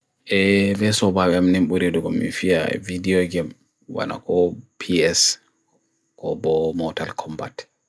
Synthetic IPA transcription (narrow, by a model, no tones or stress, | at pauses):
ʔɛvɛsɔbawɛamnɛmɓuɾedɔɡɔmːḭnfiavidiɔɡɛm | wa̰na̰kɔpʰiɛs | kɔbɔmɔtalkʰɔmba̰t